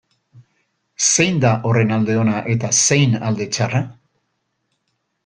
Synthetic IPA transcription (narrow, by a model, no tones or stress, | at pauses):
se̞jnd̪aʔo̞re̞nald̪e̞o̞naʔe̞t̪ase̞jnald̪e̞t͡ʃara